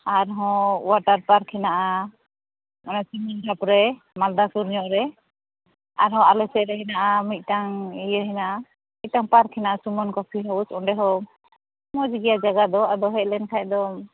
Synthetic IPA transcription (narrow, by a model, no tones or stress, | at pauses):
aɾɦɔ̃waʈaɾpaɾkʰɛnaʔa | ɔnasimindapɾɛ | mald̪asuɾɲɔʔɾɛ | aɾɦɔ̃alɔsɛʔɾɛɦɛnaʔamit̪̚ˀtaŋijəɦɛnaʔa | mit̪̚taŋpaɾkʰːɛnaʔasumɔnkɔpʰiɦausɔɖɛɦɔ | mɔd͡ʒɡijad͡ʒaɡad̪ɔad̪ɔɦɛʔ̚lɛnkʰaʔ̚d̪ɔ